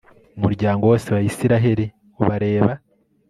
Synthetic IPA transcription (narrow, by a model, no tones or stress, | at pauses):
umuɾɟaːŋɡo̞wo̞ːseβajisiɾaɦeɾi | oβaɾe̞ːβa